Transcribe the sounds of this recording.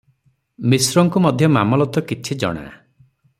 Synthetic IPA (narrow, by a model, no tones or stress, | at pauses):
misɾɔŋkumɔd̪ʱjɔmamɔlɔt̪ɔkit͡ʃʰid͡ʒɔ̰ɽ̃a̰